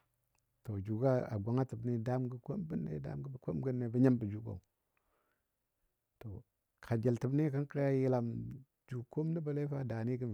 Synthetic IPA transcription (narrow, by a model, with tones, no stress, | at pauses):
to˨d͡ʒu˨ɡa˦a̰˨ɡʷa˨ŋa˦tə˨bni˦da˦mɡə˦ko˦mbə˦nːḛ˦da̰˦mɡə˦bə˨ko˦mɡə˦nːe˨bə˦ɲa˦mbə˨d͡ʒu˨ko̰˨ | to˨ | kʰa˨d͡ʒa˨ltə˨bni˦kə˦nkə˦ɾa˦ji˦la˨m | d͡ʒu˨ko˦m˦də˦bə˨le˦fa˦da˨ni˦ɡə˦m